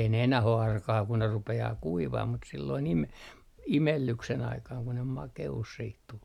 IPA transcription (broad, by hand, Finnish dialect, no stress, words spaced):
ei ne enæh o ɑrkɑː ku ne rupeɑː kuiʋɑh mut silːoin ime imelːyksen ɑikɑːŋ ku ne mɑkeus siːt tul